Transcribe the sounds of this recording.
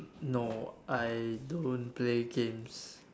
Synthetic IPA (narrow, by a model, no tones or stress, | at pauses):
noʔajdõnpleɡẽms